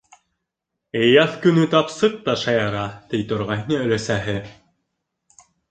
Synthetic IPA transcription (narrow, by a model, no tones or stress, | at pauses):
ejɑθkɵ̆nɵt̪ɑpsɤq̚t̪ɑʃɑjɑɾɑt̪ijt̪ŏɾʁɑɦnɤø̆læsæɦɘ